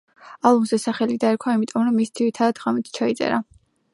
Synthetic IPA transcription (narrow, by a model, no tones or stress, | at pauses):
alˠɔmzɛsaχɛlid̪aɛɾkʰwaimit̪ʼɔmɾɔmːisd̪iɾit̪ʰad̪ad̪ʁamit̪ʰt͡ʃʰait̪sʼɛ̰ɾa